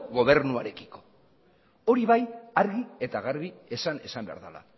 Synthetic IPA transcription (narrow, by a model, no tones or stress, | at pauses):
ɣo̞β̞e̞ɾnuaɾe̞ki̥ko̞̥ | o̞ɾiβajaɾɣie̞t̪aɣ̞aɾβie̞sane̞sambe̞a̰ɾðala̰